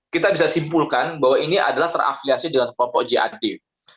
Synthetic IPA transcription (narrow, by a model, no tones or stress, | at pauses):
kit̪abisasimpulkanbawainiʔa̰dalaht̪əra̰fliasidəŋanklɔmpɔʔd͡ʒiʔa̰di